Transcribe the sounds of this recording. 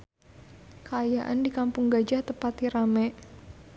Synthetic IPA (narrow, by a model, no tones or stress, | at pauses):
kaːjaʔa̰ndikampʊŋɡad͡ʒaht̪əpat̪iɾamɛʔ